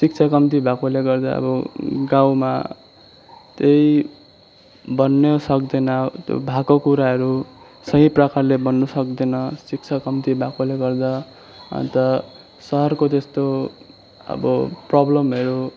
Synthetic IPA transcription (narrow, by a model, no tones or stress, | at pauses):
sik̚t͡sʰakʌmt̪̬ibʱakoleɡʌrd̪a̰ʌ̰bʌɡãw̃ma̰ | t̪ej | bʌnːʌsʌkd̪ʌnʌt̪jo̰bʱakokuɾaɦʌɾu | sʌɦiprʌkarlebʌnːusʌk̚d̪ʌnʌsik̚t͡sʰakʌmt̪ibʱakoleɡʌrd̪a | ʌ̰nt̪ʌ | sʌɦʌrkot̪est̪o | ʌ̰bʌ̰prʌblʌmʌɾu